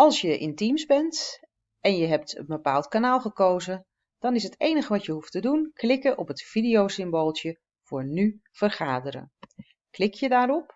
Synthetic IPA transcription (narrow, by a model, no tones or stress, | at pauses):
ɑlˠsjəʔɪ̰ntimzbɛnt | ɛnjəɦɛp̚tə̰nbəpaːlˠtkanaːlˠχəkowzə | d̥ɑnɪsɦətejnəχəʋɑtjəɦuftədunklɪkəʔɔpɦətfidijowsɪmboːlˠtə | v̥ʊːɹny | v̥ərχaːdəɾə̰ | klɪkjədaːɾɔp